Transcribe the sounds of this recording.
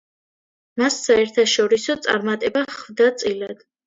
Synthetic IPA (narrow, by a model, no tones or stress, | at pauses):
masːaɛɾt̪ʰaʃɔɾisɔt̪sʼa̰ɾmat̪ʼɛbaχvd̪at̪sʼilad̪̥